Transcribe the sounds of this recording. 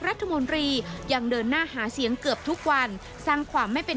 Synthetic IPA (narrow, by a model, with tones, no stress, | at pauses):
k̚ɾa˦˥t̪ʰːa˧mo˧nt̪ɾiː˧ja˧ŋdɤː˧nːaː˥˩haː˩˦si˩˦əŋkɯ˨˩əp̚t̪ʰu˦˥k̚wa˧n | saː˥˩ŋkʰwaː˧mːa˥˩jpe˧